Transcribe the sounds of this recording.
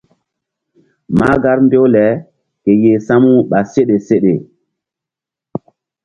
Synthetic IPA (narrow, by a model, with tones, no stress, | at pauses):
ma˦ɡa˦ɾmbe˦wlɛ˨˦ | ke˨je˨sa˦mu˦ɓa˨se˦ɗe˨se˦ɗe˨